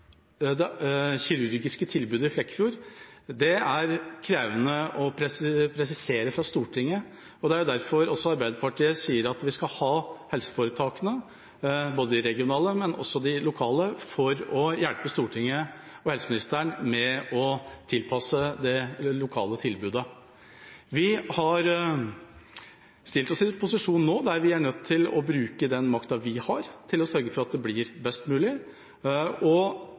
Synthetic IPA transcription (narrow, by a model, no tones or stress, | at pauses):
d̪ɛçɪɾʉɾɡɪskət̪ʰɪlbʉːd̪əɪflɛkːfɪuːɾd̪ɛæɾkʰɾeːʋənəɔpʰɾɛpʰɾɛsɪseːɾəfɾɑst̪uːʈʰɪŋːə | ɔd̪ɛæɾjʊd̪æɾfɔɾɔsːɔɑɾbæɪd̪əɾpɑʈiːəsiːəɾɑt̪ʋɪskɑlhɑːhɛlsə̥fɔːɾət̪ʰɑːkənə | boːd̪əd̪ɪɾɛɡɪʊnɑːləmɛnʔɔ̰sːɔd̪ɪlʊkʰɑːləfɔɾɔjælpəst̪uːʈʰɪŋːə | ɔɛlsəmɪnɪst̪əɳmɛɔt̪ʰɪlpʰɑsəd̪ɛlʊkʰɑ̰ːlət̪ʰɪlbʉːd̪ə | ʋɪhɑɾ | st̪ɪlt̪ɔsɪpʰʊsɪʂuːnnːoːd̪æɾʋɪæɳœt̪ʰːɪlɔ̰bɾʉːkəd̪ɛnmɑkt̪ɑʋɪhɑɾt̪ʰɪlɔsœɾɡəfɔɾɑt̪̚d̪ɛblɪɾbɛst̪mʉːlɪ | ɔ